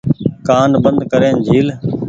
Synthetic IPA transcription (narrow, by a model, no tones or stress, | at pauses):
kaːnbənd̪kəɾẽːnd͡ʒʱiːl